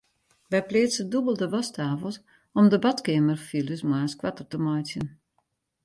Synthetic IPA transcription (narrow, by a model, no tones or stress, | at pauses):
ʋɛjplɪːtsədubəlˠdəʋɔstaːvəlˠs | ɔmdəbatkeːmərfiləsmwaːskwatərtəmɔjsjən